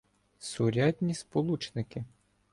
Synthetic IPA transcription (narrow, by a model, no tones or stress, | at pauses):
sʊɾʲad̪ʲnʲispɔlˠut͡ʃnɪkɪ